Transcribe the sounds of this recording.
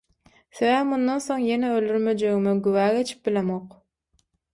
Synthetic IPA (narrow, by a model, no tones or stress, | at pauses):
θeβæβmund̪onθo̞ŋje̞neøld̪yɾmø̞d͡ʒeɣimiɡywæːɡe̞t͡ʃʰi̥p̚bilemoq